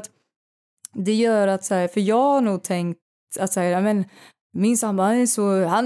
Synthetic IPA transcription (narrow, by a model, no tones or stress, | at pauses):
t̪ | d̪ɛjœːɾat̪sæhːɾfœɾjɑːɡhaɳuːɡ̚t̪ʰɛŋkt̪ | at̪sahæːɾamɛn | mɪnsambaanɛsɔhan